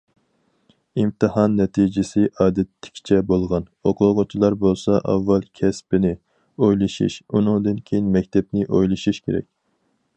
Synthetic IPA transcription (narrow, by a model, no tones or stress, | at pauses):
imt̪ʰɨhɑnːɛt̪ʰid͡ʒɪsɪʔɑːd̪ɛt̪ʰːɪ̥kʲʰt͡ʃʰɛbolˠʁɑnoqʰʊlˠʁʊt͡ʃʰilˠɑɾbolˠsɑʔɑ̰vːɛlˠkʲʰɛspɪnɪ | ojlˠɨʃḭʃunɨŋd̪ɨnkʲʰejinmɛkʲt̪ʰɛpnɪʔojlˠɨʃuʃkʲʰeɾɛ̰k̚ʲ